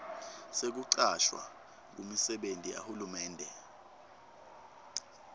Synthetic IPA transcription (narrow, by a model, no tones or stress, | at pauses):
sek̬uǀaʃwa̰ | k̬umisɛɓentʼija̰hulumɛːndʱɛ